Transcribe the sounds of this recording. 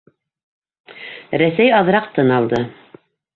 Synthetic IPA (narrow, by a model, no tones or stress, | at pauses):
ɾæsæjɑðɾɑq̚t̪ɤnɑlˠd̪ɤ